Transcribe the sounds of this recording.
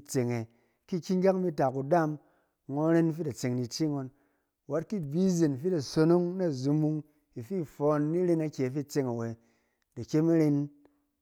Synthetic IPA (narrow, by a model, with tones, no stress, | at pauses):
t͡se˨ŋe˨ | ki˦kʲi˦ŋ˦ɡʲa˦kmi˧ta˨ku˨da˦˨m | ŋo˦ɾe˦n˦fi˦ta˨t͡se˨ŋni˧t͡ʃi˦ŋo˧n | wa˦t̚ki˦˨bi˦ze˨n˨fi˦ta˨so˧no˦ŋna˦˨zu˧mu˧ŋ | i˨fi˦˨fo˨nːi˦ɾe˧na˧kʲe˨fi˦˨t͡se˧ŋa˨we˨ | da˨kʲe˦ma˦ɾe˧n